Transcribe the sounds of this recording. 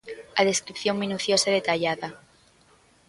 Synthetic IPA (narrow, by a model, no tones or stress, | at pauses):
aðe̞skɾipθjo̞ŋmĩnuθjosaðe̞t̪aʎaða